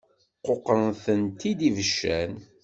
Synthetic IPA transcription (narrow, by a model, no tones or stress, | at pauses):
qːoqːənθənt̪id̪ivəʃːæn